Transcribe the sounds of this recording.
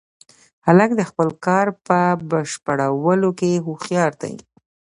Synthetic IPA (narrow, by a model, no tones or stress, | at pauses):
halak̚d̪əxpəlkɑɾpəbəʃpəɽawəlokeɦuxjɑɾt̪a̰jḭ